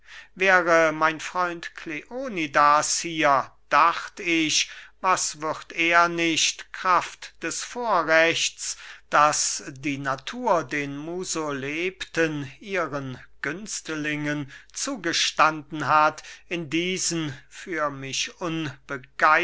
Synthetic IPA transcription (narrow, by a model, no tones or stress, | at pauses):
vɛːʁəmaɪnfʁ̥ɔʏntkʰleʔoːnidashiːɐd̥aχtɪʃvasvɪʁteːɐnɪɕtkʁ̥aftd̥ɛsfoːɐʁɛt͡sd̥asdiːnatʰuːɐdeːnmuːzoleːptəniːʁənɡ̥ʏnstlɪŋənt͡suːɡəʃtandn̩ɦatɪndiːzənfyːɐmɪʃʔʊnb̥əɡ̥aɪ